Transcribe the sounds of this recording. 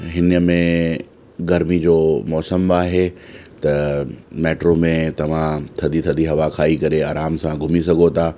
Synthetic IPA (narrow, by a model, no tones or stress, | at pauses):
ɦɪnəmẽ | ɡɐɾmid͡ʑoːmɔːsəmaːɦet̪ɐmɛːʈɾomẽt̪ɐʋ̤ãt̪ʰɐd̪ʱit̪ʰɐd̪ʱiɦɐʋakʰaːikɐɾeaːɾaːmsãɡʱʊmis̬ɐɡʱot̪ʰaː